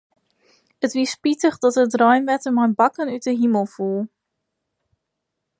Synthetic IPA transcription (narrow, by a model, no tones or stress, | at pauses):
ətʋispitəχdɑtətrœɥnʋɛtəmɛjnbɑkənyt̚dəɦiməlˠfulˠ